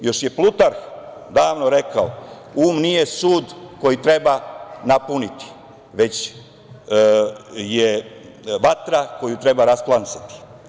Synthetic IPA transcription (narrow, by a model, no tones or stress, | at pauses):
jo̞ʃje̞plˠut̪aɾx | d̪aːʋnoɾe̞kaouːmnije̞suːd̪ko̞jit̪ɾe̞banapunit̪i̥ | ʋe̞t͡ɕ | je | ʋat̪ɾako̞jut̪ɾe̞baɾasplˠansḁt̪i̥